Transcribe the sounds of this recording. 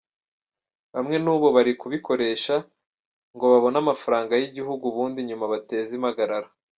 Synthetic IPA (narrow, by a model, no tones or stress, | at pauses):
βamŋe̞nuːβo̞βaɾikuβiko̞ɾe̞ːʃa | ŋɡo̞βaβo̞namafaɾaːŋɡajiɟiɦuɡuβuːndiɲumaβate̞ːzimhaɡaɾaɾa